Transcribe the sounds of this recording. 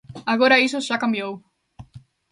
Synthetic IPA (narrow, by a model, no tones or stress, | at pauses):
aɣoɾɐisoʒ̥akãmbjow